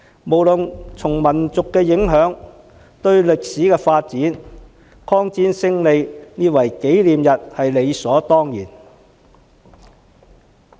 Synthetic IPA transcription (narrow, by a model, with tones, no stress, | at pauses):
mo˨˩wlɵ˨nt͡sʰʊ˨˩ŋmɐ˨˩nt͡sʊ˨kːɛː˧jɪ˨˥ŋɦœː˨˥ŋ | t̪ɵ˧ɥlɪ˨k̚siː˨˥kɛː˧faː˧t̚t͡siː˨˥n | kʰɔː˥ŋt͡siː˥nsɪ˥ŋle˨˧jniː˥t̚wɐ˨˩jke˨˥jliː˨mjɐ˨t̚hɐ˨jle˨˧jsɔː˨˥t̪ɔː˥ŋjḭː˨˩n